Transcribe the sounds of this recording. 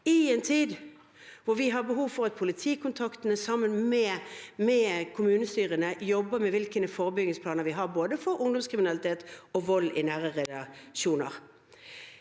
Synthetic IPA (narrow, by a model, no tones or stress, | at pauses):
ɪɛːnt̪ʰiːd̪ | ʋʊɾʋɪɦɑbəɦuːʋfɔʁɑt̪̚pʰʊlɪt̪ʰiːkʰʊnt̪ʰɑkt̪ənəsɑmːənmɛmɛkʰʊmʉːnəst̪yːʁənəjɔbːəmɛʋɪlkənəfoːʁəbʏɡnɪŋspʰlɑːnəʁʋɪɦɑʁboːd̪əfɔɾʊŋd̪ɔmskʰʁɪmɪnɑlɪt̪ʰeːt̪ɔʋɔlːɪ̰næːʁəʁɛd̪ɑʃuːnəʁ